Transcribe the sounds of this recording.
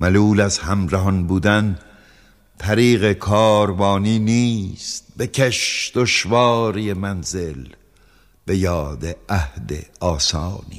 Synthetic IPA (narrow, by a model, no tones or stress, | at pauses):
mæluːlæzhæmɾæɦɒnbuːd̪æn | t̪ʰæɾiːɣe̞kʰɒːɾbɒːniːniːst̪̚becʰeʃd̪̥oʃvɑːɾiemænzel | b̥e̞jɒːd̪eæhd̪ḛɒːsɑːnḭː